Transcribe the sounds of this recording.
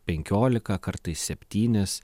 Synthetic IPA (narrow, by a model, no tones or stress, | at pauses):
pʲɛŋʲkʲoːlʲɪkɐkɐɾt̪ɐɪsʲsʲɛpʲt̪ʲiːnʲɪs